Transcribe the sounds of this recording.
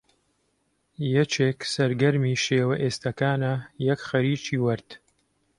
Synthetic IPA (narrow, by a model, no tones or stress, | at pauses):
jɛt͡ʃeːksɐɾɡɐɾmiːʃeːwɐʔeːst̪ɐkaːnɐjɛkxɐɾiːt͡ʃiːwɐɾd̪̥